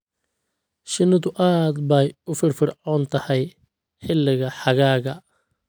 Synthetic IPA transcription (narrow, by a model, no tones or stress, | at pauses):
ʃɪnɐðʊʔaːd̪bɛjʊfɪrfɪrʕɔːnt̪ʰɐhɛj | ħɪlːɪɣɐħɑɣaːɣɐ